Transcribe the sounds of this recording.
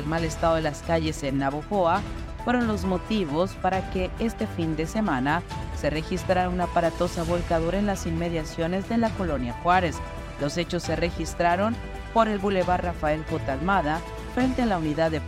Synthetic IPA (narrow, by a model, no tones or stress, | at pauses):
elmale̞st̪aðo̞ðelaskaʝe̞se̞nːaβoxoa | fwe̞ɾo̞nlo̞zmo̞t̪iβ̞o̞spaɾake̞e̞st̪e̞find̪e̞se̞mãnase̞re̞xist̪ɾaɾaunaːpaɾat̪o̞saβolkaðuɾaenlasinme̞ðjasjo̞ne̞zðe̞lako̞lo̞njaxwaɾe̞s | lo̞se̞t͡ʃo̞sːe̞re̞xist̪ɾaɾo̞m | po̞ɾe̞lβule̞βaɾrafae̞lxot̪almaða | fɾe̞nt̪ealauniðaðe